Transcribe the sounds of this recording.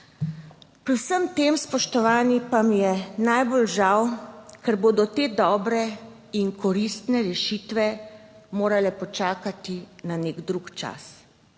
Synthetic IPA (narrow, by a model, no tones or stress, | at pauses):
pɾiwsəmt̪eːmspɔʃt̪ɔʋaːnipamijɛnajbolʒawkɛɾboːd̪ɔt̪eːd̪ɔːbɾɛ | iŋkʰɔɾist̪nɛɾɛʃiːt̪ʋɛmoːɾalɛpɔt͡ʃaːkat̪inaneɡd̪ɾukt͡ʃa̰s